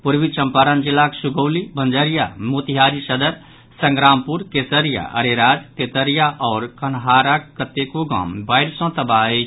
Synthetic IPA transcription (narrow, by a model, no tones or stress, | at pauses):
puɾbit͡ʃəmpaɾənd͡ʒilːaksuɡəwlibənd͡ʒəɾijamot̪iɦaɾisəd̪əɾ | səŋɡɾampuɾkesəɾija̰ʔə̰ɾeɾad͡ʒt̪et̪əɾijaʔɔːɾkənɦaɾakət̪ekoɡã̰mbaɪɾsɔ̃t̪əbaet͡ʃʰ